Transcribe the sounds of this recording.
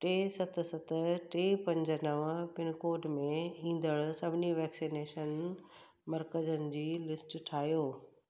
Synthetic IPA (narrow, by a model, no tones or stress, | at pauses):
ʈeːsɐt̪ʰsɐt̪ʰəʈeːpɐ̃ɲd͡ʑənəʋə̃pɪnkoːɖmẽĩːn̆d̪əɽsɐbʱɪniʋɛːksineːʃən | mɐɾkəd͡ʑənɪ̆d͡ʑiːlɪsʈʈʰaːɦjoː